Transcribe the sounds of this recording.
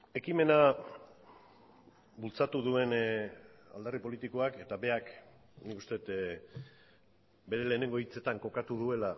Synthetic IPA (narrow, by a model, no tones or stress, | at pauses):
e̞kime̞na | bult͡sat̪uðue̞n | a̰ld̪aripo̞lit̪iko̞ake̞t̪abe̞ak | nikust̪e̞t̪ | be̞ɾe̞le̞ːneŋɡo̞it͡se̞t̪aŋko̞kat̪uðue̞la